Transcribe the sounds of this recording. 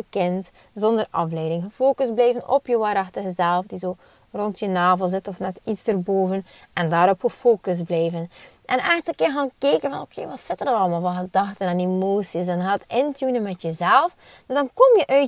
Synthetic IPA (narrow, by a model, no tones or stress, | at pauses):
əkɪnt | zɔndərɑ̰flɛjdɪŋɣəfoːkəzblɛjvənʔɔ̰pjəʋaːɾɑxtəɣəzɛlˠfdizoː | rɔntjənaːvəlˠzɪtɔfnɛtitzdərboːvən | ʔɛndaːɾɔpxəfoːkəzblɛjvənʔɛnɛxtəkɪːɹɣaːnkeːkənvɑnokʰeːʋɑtsɪtənəɾɑlˠmaːlˠvɑnɣədɑxtənaːnemoːsisɛnɦaːdtɪntjunəmɛtjəzɛlˠf | d̥øzdɑnkɔmjəʔœɥ